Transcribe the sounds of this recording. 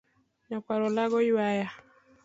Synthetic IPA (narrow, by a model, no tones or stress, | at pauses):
ɲakwaɾɔlaɡɔiwaja